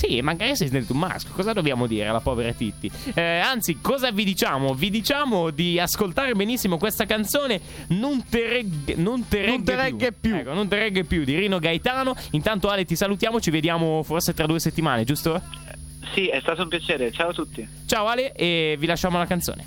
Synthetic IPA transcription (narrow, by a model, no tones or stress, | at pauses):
simːaŋɡaːɾiasisnelt̪umːa̰skokɔːzad̪objaːmod̪iːɾḛa̰lapɔːveɾat̪it̪ːiant̪sikɔːzavid̪it͡ʃaːmovid̪it͡ʃaːmod̪iaskolt̪aːɾebenisːimokwest̪akant̪soːne | nont̪eɾɛɡnont̪eɾɛnɡ̪eɾɛuɡːepjukonont̪eɾɛɡːepjud̪iɾiːnoɡajt̪aːnoint̪ant̪oaːlet̪isalut̪jaːmot͡ʃived̪jaːmoforset̪ɾad̪uːeset̪ːimaːned͡ʒust̪o | siɛst̪aːt̪oumpjat͡ʃeːɾet͡ʃaːot̪ut̪ːi | t͡ʃaːoaːleevilaʃːaːmolakant̪so̰ːnḛ